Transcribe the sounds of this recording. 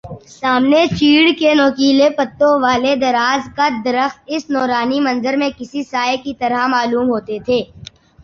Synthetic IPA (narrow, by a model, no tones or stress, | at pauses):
saːmnet͡ʃiːɽkenoːkiːlepɐt̪ːõʋaːled̪ɐɾaːzkad̪ɐɾəxt̪̚ɪsnɔːɾaːnimɐ̃nzəɾmẽkɪsisaːekit̪ɐɾamaːluːmɦoːt̪et̪ʰeː